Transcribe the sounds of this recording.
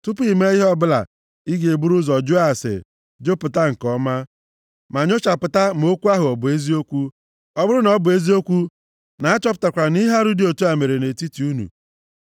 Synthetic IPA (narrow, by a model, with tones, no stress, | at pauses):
tʊ˦pi˨me˦i˦ɦɔ˦bʊ˦la̰˨ | i˦ɡe˨bu˦ɾu˦zɔ˨d͡ʒu˦a˨sḛ˨ | d͡ʒo˦pʊ˨ta˦ŋ̩˨kɔ˦ma˦ | ma˨ɲo˦t͡ʃa˨pʊ˨ta˦m˨o˦kʷu˦a˦ɦʊ˨ɔ˨bʊ˨e˦zi˦o˦kʷu˦ | ɔ˦bʊ˦ɾʊ˦nɔ˨˦bʊ˨e˦zi˦o˦kʷu˦ | na˨a˦t͡ʃɔ˦p̬ʊ̥˨ta˨kʷa˨ni˦ɦa˦ɾu˦di˦o˨tu˦a˨me˨ɾe˨ne˨ti˦ti˨u˦nṵ˨